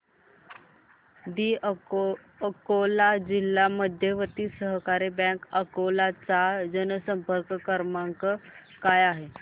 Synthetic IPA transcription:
d̪iː | əkolad͡ʑilːaməd̪ʱjeʋət̪iːsəɦkaɾebɛ̃kəkolat͡sad͡ʑənəsəmpəɾkəkəɾmaŋkə | kajaɦe

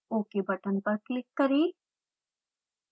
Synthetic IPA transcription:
oːkebɐʈənpɐɾklɪkːɐɾeː

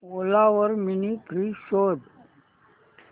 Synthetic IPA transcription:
olaːʋəɾminikɾiʃoːd̪

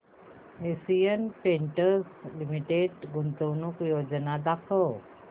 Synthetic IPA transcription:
esijənpeɳʈəɾslimiʈeɖɡunt̪onukjod͡ʑənad̪akʰəw

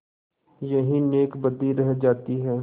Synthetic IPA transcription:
jɐɦĩneːkbɐd̪iɾɛɦd͡ʒaːt̪iɦɛː

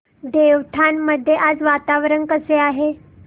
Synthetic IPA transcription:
d̪eʋʈ̪ʰanːəd̪ʱːjeʔad͡zʋat̪aʋɾənkəseaɦe

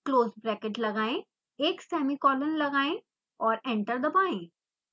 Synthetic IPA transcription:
kloːzbɾɛːkeʈlɐɡaːẽ | eːksɛːmikɔːlənlɐɡaːẽ | ɔːɾɛ̃ɳʈəɾd̪əpaːẽ

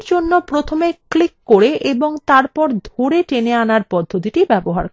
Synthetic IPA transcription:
ɾd͡ʑonːopɾot̪ʰomeklikːoɾeʔeboŋt̪aɾpɔɾd̪ʱoɾeʈeneanaɾpɔd̪ʱːot̪̬iʈibɛboɦa̰ɾ

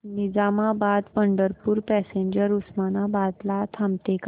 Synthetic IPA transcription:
nid͡zamabad̪pəɳɖəɾpuːɾpɛseɲd͡ʑəɾusmanabad̪lat̪ʰamt̪ek

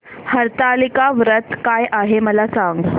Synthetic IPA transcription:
həɾt̪alikaʋɾət̪kajʔaɦeməlasaŋɡ

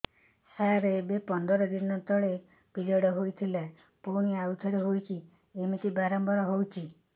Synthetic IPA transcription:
saɾebepɔnd̪ɔɾɔd̪inɔt̪ɔɭe | pid͡ʒɔɽɔɦojt̪ʰila | poɽ̃iaut̪ʰɔɽeɦojki | emit̪ibaɾɔmbɔɾɔɦowt͡ʃʰi

